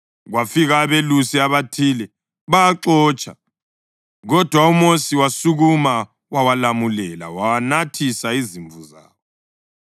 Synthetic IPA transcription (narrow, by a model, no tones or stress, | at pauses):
ɣwafiɣaβelusiaβatʰilɛ | βaaǁɔːt͡ʃʰʼa | ɣɔd̥ʱwaumosiwasuɣuma | wawalamulɛla̰wawanatʰisaiziɱbvuza̰ːβɔ